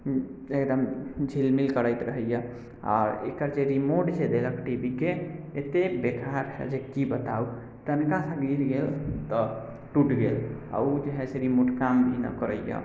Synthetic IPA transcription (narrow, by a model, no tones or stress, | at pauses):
ekd̪əmd͡ʒʱilmilkəɾəjt̪ɾəɦəjə | a̰ɾekəɾd͡ʒeɾimoʈd͡ʒed̪eləkʰʈibikeːt̪ebekʰaɾɦɛ̰d͡ʒekibət̪au | t̪ənkasə̃ɡiɾɡelt̪ɔ | ʈuʈɡela̰ud͡ʒeɦɛseɾimoʈkamd̪ʱina̰kəɾəjə̰